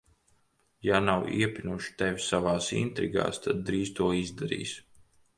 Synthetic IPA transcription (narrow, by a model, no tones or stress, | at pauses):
janawḭɛpʲinuʃi̥t̪ɛvʲisavaːsḭnt̪ɾḭɡa̰ːst̪ʰad̪̚ːɾiːst̪uɔizd̪aɾḭːs